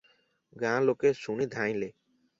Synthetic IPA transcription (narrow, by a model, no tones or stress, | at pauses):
ɡãːlokesunid̪ʱãːj̃le